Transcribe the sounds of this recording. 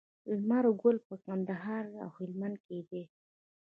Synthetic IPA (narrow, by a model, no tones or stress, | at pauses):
lmaɾoɡʊlpəkand̪aɦɑɾa̰whɪlmand̪̚ked̪e